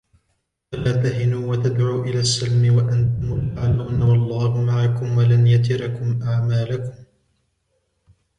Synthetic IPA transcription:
ʔalaːt̪ahɪnuːwat̪ad̪ʕuːʔɪlaːsːalmɪwaʔant̪ʊmʊlaʕaluːnawɑlˤːɑːhʊmaʕakʊmwalanjat̪ɪɾɑkʊmʔaʕmaːlakʊm

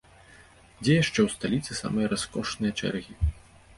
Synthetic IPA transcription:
d͡zʲɛjaʂt͡ʂɛwst̪alʲit̪sɨsa̰mɨjɐɾaskɔʂnɨjɐt͡ʂɛ̰rɣʲi

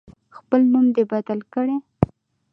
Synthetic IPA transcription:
xpəlnumd̪ebad̪alkəɽe

